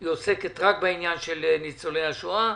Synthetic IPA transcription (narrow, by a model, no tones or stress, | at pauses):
joseket̪ʁakbainjanʃelnit͡soleaʃua